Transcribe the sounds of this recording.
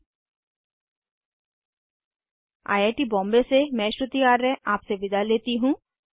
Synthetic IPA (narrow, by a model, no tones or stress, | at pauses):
a̰ːjaːʈibɔ̃ːmbesemɛ̃ːʃɾʊt̪ijaːɾːɛaːpseʋɪd̪ʱaleːt̪iɦũː